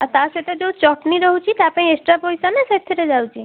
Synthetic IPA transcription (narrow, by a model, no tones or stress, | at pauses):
at̪aʃet̪ed͡ʒewt͡ʃɔʈniɾɔɦut͡ʃʰit̪apaɽ̃ĩesʈɾapɔjsaneset̪ʰːiɾed͡ʒawt͡ʃʰi